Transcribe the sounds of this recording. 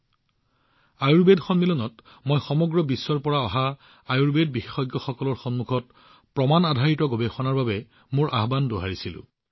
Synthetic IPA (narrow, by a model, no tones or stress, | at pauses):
ajuɹbedxɔnmilɔnɔt | mojxɔmɔɡɹɔbisːɔɹpɔɹaɔɦa | ajuɹbedbixexɔjɡjɔxɔkɔlɔɹxɔnmuɡʰʱɔt | pɹɔmanadʱaɹitɔɡobɛxɔnaɹbabɛ | moɹʔa̰ɦbandoɦaɹisilʊ̰̃